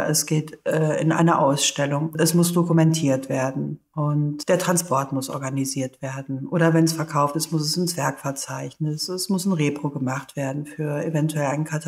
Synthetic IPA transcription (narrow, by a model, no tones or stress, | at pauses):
ʔɛsɡ̥eːtʔɛːɪ̰nʔa̰ɪnɐʔa̰ʊsʃtɛlʊŋɛsmʊsd̥okumɛntʰiːɐtv̥eːɐdn̩ʔʊntd̥eːɐtʁ̥anspʰɔɐtmʊsʔɔ̰ɐɡaniziːɐtv̥eːɐdn̩ʔoːɾɐvɛnɛsfɛɐkʰaʊftɪstmʊsɛsɪnsv̥ɛɐkfɛɐt͡saɪçnɪsɛsmʊsn̩ʁeːpʁ̥oːɡəmaχtv̥eːɐdn̩fyːɐevɛntuɛlaɪnkʰatʰa